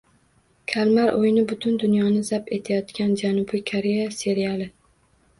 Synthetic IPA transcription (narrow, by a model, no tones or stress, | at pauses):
kʲʰalmaɾʔojnɪbʊt̪ʰʊnd̪ʊnjɒnɪzapet̪ʰajɒt̪kʲand͡ʒanʊbɪkʰoɾejase̞ɾijalˠɪ